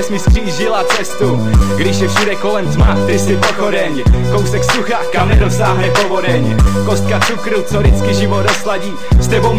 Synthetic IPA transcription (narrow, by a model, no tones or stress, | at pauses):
ɛsmɪskriːʒɪlat͡sɛst̪uɡdɪʃjɛfʃudɛko̞lɛmt̪mat̪ɾɪsɪpoxodɛɲɛko̞wsɛksuxakamnɛɾosaːɦnɛpovodɛɲɛko̞st̪̚kat͡sukɾut͡soɾɪt͡skɪʒɪvodoslaɟiːst̪ɛbowm